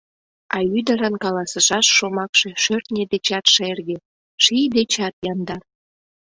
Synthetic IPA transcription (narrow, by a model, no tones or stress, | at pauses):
ɑyd̪ə̆ɾənkɑlɑsəʃɑʃːomɑkʃeʃørt̪nʲed̪et͡ɕɑt̪ʃerɣe | ʃijd̪et͡ɕɑt̪jɑnd̪ɑr